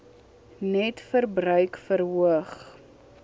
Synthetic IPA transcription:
nɛtfərbrœɥkfəɾɦuəχ

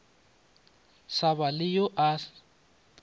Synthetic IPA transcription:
saβalɪjɔʔa

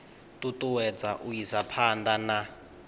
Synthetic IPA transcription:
tʼutʼuwɛd͡zaʔujisapʰand̪ana

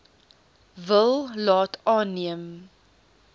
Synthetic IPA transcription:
vəlˠlɑːtɑːnːiəm

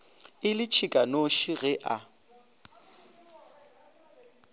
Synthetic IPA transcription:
ɪlɪt͡ʃʰikʼanoʃiɣɛʔa

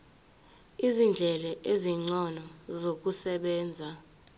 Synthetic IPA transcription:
izind͡ɮʱɛlɛʔeziŋ͡ǀɔnɔzok̬usɛɓɛːnd͡zʱa

